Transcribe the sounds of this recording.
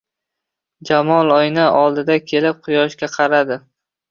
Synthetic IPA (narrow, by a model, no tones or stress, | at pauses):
d͡ʒamɒlˠɒjnaʔɒlˠd̪ɪd̪akʲʰe̞lɪp̚qʰʊjɒʃkʲaqʰɑɾad̪ɪ